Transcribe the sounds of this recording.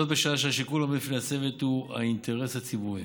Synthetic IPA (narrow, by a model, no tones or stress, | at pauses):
ot̪beʃaaʃeaʃikulamefnease̞vet̪hua̰int̪e̞ʁeshat͡sibuʁi